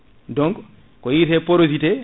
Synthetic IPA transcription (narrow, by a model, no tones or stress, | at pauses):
dɔŋɡ | kɔjitɛpoɾositɛ